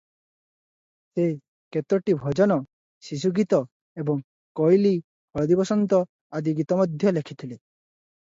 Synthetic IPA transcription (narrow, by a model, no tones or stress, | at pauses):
se | ket̪ɔʈibʱɔd͡ʒɔnɔ | ʃis̬uɡit̪ɔ | ebɔŋ | kɔjli | hʰɔɾɔd̪ibɔsɔnt̪ɔ | ad̪iɡit̪ɔmɔd̪ʱjɔlekʰit̪ʰile